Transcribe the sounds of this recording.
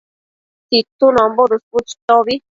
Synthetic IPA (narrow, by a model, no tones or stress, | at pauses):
t̪it̪unõmbod̪usput͡ʃt̪oβi